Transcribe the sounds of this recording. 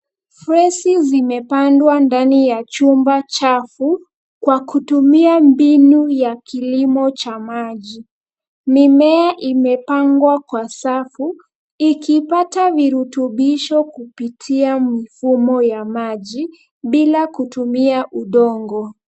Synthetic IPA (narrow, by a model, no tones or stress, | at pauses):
fɾɛsizimɛpandwandanijat͡ʃumbat͡ʃafu | kwakutumiambinujakilimɔt͡ʃamaʄi | mimɛaʔimɛpaŋɡwakwasafu | ikipataviɾutuɓiʃɔkupitʰiamifumɔjamaʄi | ɓilakutumiaʔuɗɔŋɡɔ